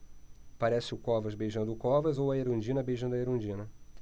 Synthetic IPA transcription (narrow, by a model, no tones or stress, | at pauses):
paɾɛsɪʊkɔvɐzbejʒɐ̃d̪ʊʊkɔvɐzowɐeɾõd͡ʒĩnɐbejʒɐ̃d̪ʊɐeɾõd͡ʒĩnɐ